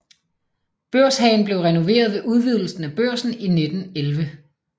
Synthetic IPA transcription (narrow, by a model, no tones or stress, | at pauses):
b̥øɐ̰sɦɛ̰ɪnb̥le̝ʊʁɛno̝ʋe̝̰ːɐð̞ˠʋe̝ʔuð̞ˠʋið̞̰ˠl̩sn̩æb̥øɐ̰sn̩ine̝d̥n̩elʋə